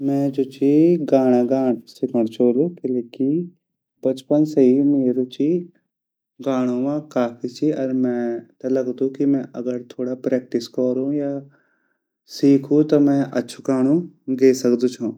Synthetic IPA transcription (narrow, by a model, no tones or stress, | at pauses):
mɛ̃ːd͡ʒoːt͡ʃiɡaːɽ̃aɡaːɽ̃sɪkʰəɽ̃t͡ʃʰoːlukeleːki | bɐt͡ʃpənsɐɦimeːɾut͡ʃi | ɡaːɽ̃oʋãkaːfʰit͡ʃʰiʔɐɾmɛ̃t̪ɐlɐɡd̪ũkimɛ̃ʔɐɡəɾt̪ʰoːɽapɾɛːk̚ʈɪskɔɾũja | siːkʰũt̪ɔmɛ̃ʔɐtːʃʰuɡaːɽ̃ũɡeːsɐkd̪ut͡ʃʰũː